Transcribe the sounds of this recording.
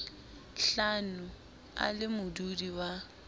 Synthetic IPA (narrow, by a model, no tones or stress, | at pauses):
ɬanʊ | a̰lɪmʊdudiwa